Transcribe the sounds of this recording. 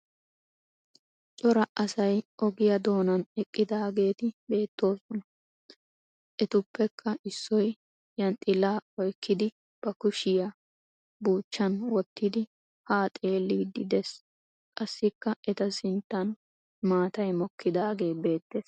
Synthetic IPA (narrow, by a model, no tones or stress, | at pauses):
t͡ʃʼɔɾɐʔɐsɐjʔɔɡɪjɐd̪o̞ːnɐnɛkʼːɪd̪aːɡe̞ːt̪ɪbe̞ːt̪ːo̞ːsɔnɐ | ʔɛt̪ʊpːɛkʰːɐɪsːɔj | jɐnt̪ʼɪlːaːɔjkːɪd̪ɪ | b̥ɐkʊʃɪjɐ | buːt͡ʃːɐnwɔt̪ːɪd̪ɪ | haːt̪ʼe̞ːlːiːd̪ɪd̪ɛs | kʼɐsːɪkːɐʔɛt̪ɐsɪnt̪ːɐn | maːt̪ɐjmɔkːɪd̪aːɡe̞ːbe̞ːt̪ːe̞ːs